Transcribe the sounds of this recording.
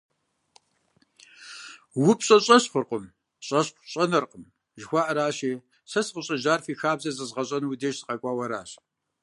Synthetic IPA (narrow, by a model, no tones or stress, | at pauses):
wʊpʰʼɕʼɐɕʼɐɕχʷʊrqʷʼʊm | ɕʼɐɕʷɕʼɐnɐrqəm | ʒxʷɑːʔɐɾaːɕiː | sɐsqəɕʼɐʒaːrfiːxaːbzɐzɨzʁɐɕʼɐnuwdeːʃzɨqʼɐkʷʼɑːwɐɾa̰ːɕ